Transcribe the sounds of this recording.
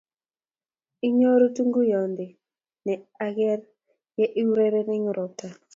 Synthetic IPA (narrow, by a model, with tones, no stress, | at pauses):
ɪ˦ɲo˦ɾo˦tu˦ŋɡu˦jɔ˨ndɪ˨ | nɛ˨a˦ɡɛ˦ɾ | jɛ˦ʔɪ˦wɾe˦ɾɛ˦nɛ˦ɲʊ˦ɾɔ˨p̚ta˨